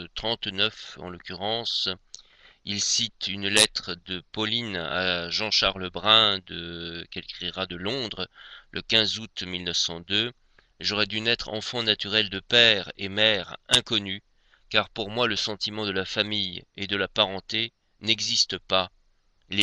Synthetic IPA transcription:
t̪χɑ̃t̪nœfɑ̰̃lɔkʲyʁɑ̃s | ilsit̪ynlɛt̪χəd̪əpɔlina̰ʒɑ̃ʃaʁləbʁɛ̃d̪əkɛlkχiʁad̪əlɔ̃d̪ʁəlʔə̰kʲɛ̃zut̪milnəfsɑ̃d̪ø | ʒɔʁɛd̪ynɛt̪χɑ̰̃fɑ̃nat̪yʁɛld̪əpɛʁḛmɛʁɛ̃kɔny | kaʁpuʁmwaləsɑ̃t̪imɑ̃d̪əlafamijed̪əlapaʁɑ̃t̪e | nɛɡzist̪əpa | l

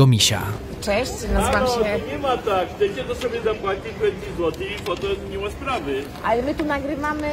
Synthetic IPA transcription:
ɔmʲiɕa̰ | t͡ʂɛɕt͡ɕnamaɛɲɛmat̪akt̪ɛkʲɛt̪ɔsɔbʲjɛzapwat͡ɕipɾɛt̪̚kʲizwɔt̪ɨfɔt̪ɔziɲʲimaspɾavɘ | alɛmɘt̪unaɡɾɪvamɘ

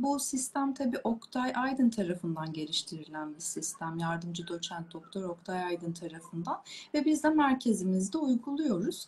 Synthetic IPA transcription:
busist̪ʰæmt̪ʰabiːʔo̞kt̪ʰajajd̪ɯnt̪ʰaɾafɯnd̪anɟe̞ɾiʃt̪ʰiɾilʲænbisist̪ʰæmjaɾd̪ɯmd͡ʒɯd̪o̞t͡ʃʰænt̪̚d̪o̞k̚t̪ʰo̞ɾo̞kt̪ʰajajd̪ɯnt̪ʰaɾafɯnd̪anvɛbizd̪ɛmæɾcʰe̞zimizd̪ɛujɡulˠujo̞ɾuz̥

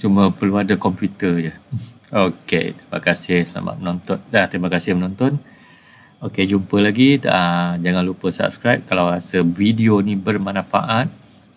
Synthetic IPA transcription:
t͡ʃuməpərluadakɔmpjut̪əd͡ʒəokḛt̪ɾima̰kasɪhsla̰ma̰t̪̚mənɔnt̪ɔt̪̚at̪ɾimakasɪhmənɔnt̪ɔn | oked͡ʒumpəlaɡidaad͡ʒaŋãnlupəsa̰p̚skɾajp̚kalawɾasəvidionibərmanãfa̰ʔat̪̚

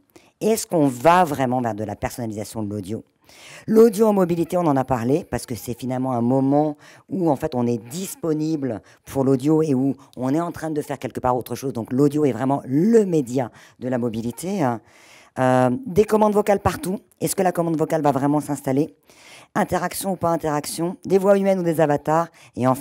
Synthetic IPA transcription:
ɛskɔ̃vavʁɛmɑ̃vɛʁd̪əlapɛʁsɔnalizasjɔ̃d̪əlod̪jo | lod̪joɑ̃mɔbilit̪eɔ̃nɑ̃napaʁlepaʁsə̥kəsɛfinalmɑ̃ɛ̃mɔmɑ̃uɑ̃fɛt̪ɔ̃nɛd̪ispɔnibl | pʰuʁlod̪joeuɔ̃nɛɑ̃t̪χɛ̃d̪əfɛʁkʲɛlkəpaʁot̪χəʃozd̪ɔ̃klod̪joɛvʁɛmɑ̃ləmed̪ja | d̪əlamɔbilit̪ʰe | ød̪ekɔmɑ̃d̪vɔkalpaʁt̪u | ɛskəlakɔmɑ̃d̪vɔkalvavʁɛmɑ̃sɛ̃st̪ale | ɛ̃t̪ɛʁaksjɔ̃upaɛ̃t̪ɛʁaksjɔ̃d̪evwaymɛnud̪ezavat̪aːʁ | eɑ̃f

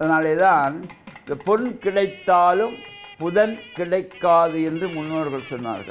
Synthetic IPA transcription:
ʔɐðɐnaːleːðaːnɐpɔnkɪɽɐɪt̪ːaːlɯmpʊðɐnkɪɽɐɪkːaːðɯɛndrɯmʊnːoːɾɣɐɭsɔnːa̰ːɾɣɐ̰ɭ

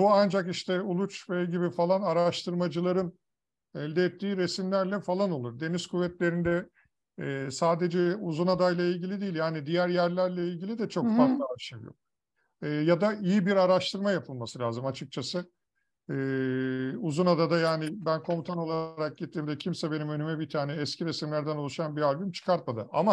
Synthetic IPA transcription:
buand͡ʒakiʃt̪ʰɛulˠut͡ʃvɛɟibifalˠanaɾaʃt̪ʰɯɾmad͡ʒɯlˠaɾɯn | ɛlʲd̪ɛːt̪ʰːiːɾe̞simlʲæɾlʲɛfalˠano̞lˠuɾd̪e̞nizkʰuvːɛt̪lʲe̞ɾind̪ɛː | saːd̪e̞d͡ʒɛuzunad̪ajlʲˠailʲɟilʲid̪ijilʲjaːnid̪ijæɾjæɾlʲæɾlʲɛilʲɟilʲid̪ɛt͡ʃʰo̞kfaɾt̪lˠaaʃɯvjo̰k | ɯːjad̪aijibiɾaɾaʃt̪ʰɯɾmajapʰɯlˠmasɯlʲaːzɯmat͡ʃʰɯk̚t͡ʃʰasɯ | ɛː | uzunad̪ad̪ajaːnɪbænkʰo̞mut̪ʰano̞lˠaɾak̚ɟit̪ːiːmd̪ɛcʰimsɛbe̞nimønymɛbit̪ʰaːnɛːscʰiɾesimlʲæɾd̪ænulˠuʃanbiɾalʲbymt͡ʃʰɯ̥kʰaɾt̪̚mad̪ɯ̰ʔa̰ma

